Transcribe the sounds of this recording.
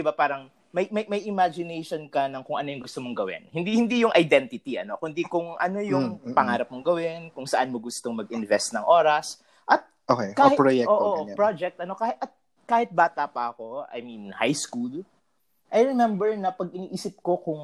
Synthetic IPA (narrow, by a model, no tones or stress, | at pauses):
ɪbapaːɾɐŋ | mɐjmɐjmɐjʔɪmad͡ʒɪnejʃonkɐnɐŋkʊŋʔɐnojʊŋɡʊst̪omoŋɡɐwɪ̰nhɪnd̪ihɪnd̪ijʊŋʔɐjd̪ɛnt̪ɪt̪iɐ̰no̞kʊnd̪ikʊŋʔɐno̞jʊŋpɐŋaːɾɐp̚mʊŋɡɐwɪnkʊŋsɐʔanmoɡʊst̪oŋmɐɡʔɪnvɛst̪nɐŋʔo̞ːɾɐs | ʔɐt̪̚ʔokekaːhɪpɾojɛʔoːʔoʔpɹod͡ʒɛk̚t̪̚ɐno̞kaːhɪt̪ʔɐt̪̚ | kaːhɪt̪̚baːt̪ɐpɐʔɐko̞ɐ̰jminhajskul | ʔɐjɹɛmɛmbɛɹnɐpɐɡ̚ʔɪniʔiːsɪp̚ko̞kʊŋ